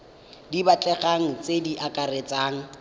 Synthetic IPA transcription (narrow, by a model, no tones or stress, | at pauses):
dibat͡ɬʼɛɣaŋ̩t͡sʼediʔakʼaret͡sʼaːŋ̩